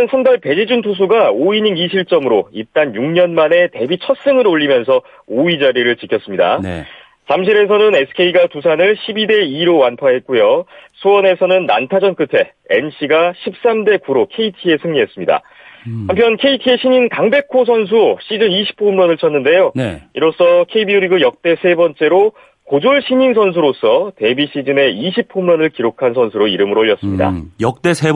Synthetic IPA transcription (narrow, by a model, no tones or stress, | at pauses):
ɯnsʰamdaɭpe̞d͡ʑid͡ʑuntʰos̬ʰuɡaoiɲiɡiɕʰiɭt͡ɕ͈ʌmɯɾoit͈anjuŋɲʌnmane̞te̞bit͡ɕʰʌt̚s͈ɯŋɯɾoːʎːimjʌnsʰʌ | oid͡ʑaɾiɾɯɭt͡ɕikʰjʌs͈ɯmɲida̰ | t͡ɕamɕ̬ʰiɾe̞s̬ʰʌnɯnesʰɯ̥kʰe̞iɡatusʰanɯɭɕʰibide̞iɾowanpʰaɦe̞t̚k͈ujosʰuwʌne̞sʰʌnɯnːa̰ntʰad͡ʑʌnk͈ɯtʰe̞ | enɕʰiɡaɕʰip̚s͈amde̞kuɾokʰe̞itʰie̞sʰɯŋɲiɦe̞s͈ɯmɲida̰ | hampʰjʌnkʰe̞itʰie̞ɕʰiɲinkaŋbe̞kʰosʰʌns̬ʰuɕ͈ʰid͡ʑɯniɕʰi̥pʰomɾʌnɯɭt͡ɕʰʌnːɯnde̞joniɾos͈ʰʌkʰeibiuɾiɡɯjʌk̚t͈e̞sʰe̞bʌnt͡ɕ͈e̞ɾo | kod͡ʑoɭɕʰiɲins̬ʰʌns̬ʰuɾos͈ʰʌte̞biɕ͈ʰid͡ʑɯne̞iɕ̬ʰipʰomɾʌnɯɭkiɾokʰansʰʌnsʰuɾoiɾɯmɯɾoʎːjʌs͈ɯmɲida̰jʌk̚t͈esʰe